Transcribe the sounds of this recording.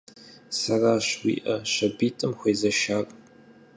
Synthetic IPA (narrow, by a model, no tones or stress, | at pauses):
sɐraːɕwḭːʔɐʃɐbiːtʼɨmxʷejzɐʃaːkʼ